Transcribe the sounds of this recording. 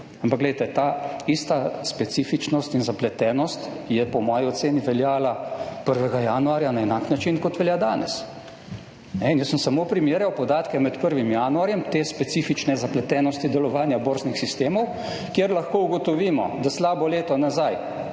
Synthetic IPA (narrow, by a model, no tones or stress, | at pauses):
ampakɡlɛjt̪ɛt̪aːist̪aspɛt̪siːfit͡ʃnɔst̪inzaplɛt̪ɛːnɔst̪jɛpɔmɔːjiɔt̪seːniʋɛljaːlapəɾʋɛɡajanuaɾjanaɛnaknat͡ʃinkɔt̪ʋɛljaːd̪aːnɛ̰s | nɛinjəsəmsamoːpɾimeːɾjawpɔd̪aːt̪kɛmɛt̪pəɾʋimjaːnuaɾjɛmt̪eːspɛt̪siːfit͡ʃnɛzaplɛt̪ɛːnɔst̪id̪ɛlɔʋaːnjaboːɾznixsist̪eːmɔw | kjeɾlɐxkoːuɡɔt̪ɔʋiːmɔ̰d̪aslaːbɔleːt̪ɔnazaj